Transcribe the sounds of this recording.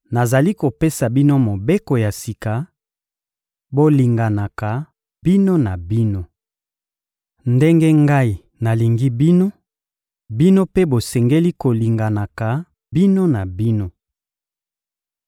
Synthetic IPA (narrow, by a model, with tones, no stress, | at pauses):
na˨za˨li˦ko˨pe˦sa˨bi˦no˦mo˨be˦ko˨ja˨si˨ka˨˦ | bo˦li˨ŋɡa˨na˨ka˨ | bi˦no˦na˨bi˦no˦ | nde˦ŋɡɛ˦ŋɡa˦i˨ | na˨li˨ŋɡi˦bi˦no˦ | bi˦no˦pe˦bo˨sɛ˨ŋɡe˦li˦ko˨li˨ŋɡa˨na˨ka˨ | bi˦no˦na˨bi˦no˦